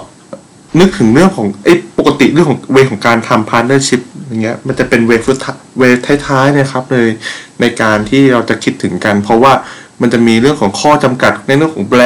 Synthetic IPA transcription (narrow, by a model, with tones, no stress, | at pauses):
nɯ˦˥k̚t̪ʰɯ˩˦ŋɾɯ˥˩əŋkʰɔː˩˦ŋʔa˦˥˩jpo˨˩kːa˧t̪i˨˩ɾɯ˥˩ŋʰɔː˩˦weː˦˥kʰɔː˩˦ŋkaː˧nt̪ʰa˧mpʰaː˧˥t̪̚nɤː˥˩t͡ɕʰi˦˥p̚jaː˨˩ŋːi˦˥ɐma˧nt͡ɕa˨˩pe˧nweː˦˥fɯ˦˥t̪ʰːweː˦˧˥p̚t̪ʰa˦˥jt̪ʰaː˦˥jna˥˩kʰa˦˥p̚nɤː˧jna˧jkaː˧nt̪ʰiː˥˩ɾa˧wt͡ɕa˨˩ʔkʰi˦˥t̪ʰːɯ˩˦ŋka˧npʰɾɔ˦˥waː˥˩ma˧nt͡ɕa˨˩miː˧ɾɯ˥˩əŋkʰɔː˩˦ŋkʰɔː˥˩t͡ɕa˧mka˨˩t̪̚na˧˥ɾɯ˥˩əŋkʰɔː˩˦ŋlɛ˧